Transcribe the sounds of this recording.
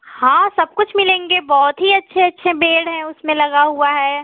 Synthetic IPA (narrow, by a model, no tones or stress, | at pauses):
hãːsɐb̚kʊt͡ʃʰmɪlẽːŋɡebɔːt̪ɦiɐtːʃʰeɐtːʃʰebeːɽɦɛ̃ʊsmẽlɐɡaɦuaɦɛː